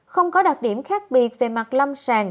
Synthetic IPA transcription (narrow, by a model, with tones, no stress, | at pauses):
xə˧wŋ͡mkɔ˨˦ɗa˨˩k̚ɗi˧˩əmxaː˦˥k̚ɓi˨˩ət̚vḛ˧˩ma˨˩t̚lə˧msaː˧˩ŋ